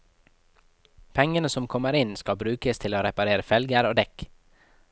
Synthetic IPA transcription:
pʰɛŋənəsɔmkʰɔməɾɪnskɑbɾʉːkəst̪ʰɪloːɾɛpɑɾeːɾəfɛlɡəɾoːd̪ɛk

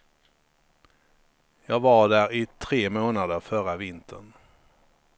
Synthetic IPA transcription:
jɑːɡvaɖæːɾɪt̪ʰɾeːmoːnad̪əɾfœɾavɪnt̪ʰə̰ɳ

